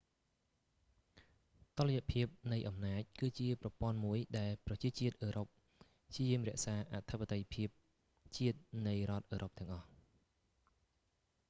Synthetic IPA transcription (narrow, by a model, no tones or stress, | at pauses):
t̪oləjaʔpʰiəp̚nɨjʔɑmnaːc̚kɨːt͡ɕiəprɑpŏənmuəjɗaɛlprɑt͡ɕiət͡ɕiət̪̚ʔəːɾop̚ | pʰt͡ɕʰiəjiəmrɛ̆əʔsaːʔat̪ʰəpːat̪əjpʰiəp̚ | t͡ɕiət̪̚nɨjrŏət̪̚ʔəːɾʔop̚t̪ɛ̆əŋʔɑh